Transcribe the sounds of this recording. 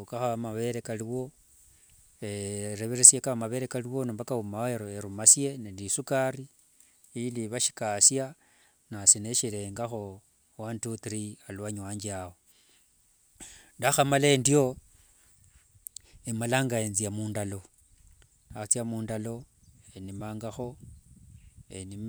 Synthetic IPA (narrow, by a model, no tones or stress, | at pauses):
kaxaamaβe̞ɾekaliwo̞ | eɾeβeɾesjekaβamaβe̞ɾekaliwonumbakahumaeɾoeɾumasje̞nelisukari | iliβaʃi̥kasja | nasineʃileːŋɡaxo̞ | wantutiɾialwaɲwaːɲd͡ʒiawo | ndaxamalaendio̞ | emalaːŋɡaenzijamuːndalo̞ | at͡sjamuːndalo̞ | enimaːŋɡaxo̞ | enim